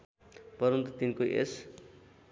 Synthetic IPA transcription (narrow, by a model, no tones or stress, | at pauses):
pʌɾunt̪ʌt̪inkoʔḛs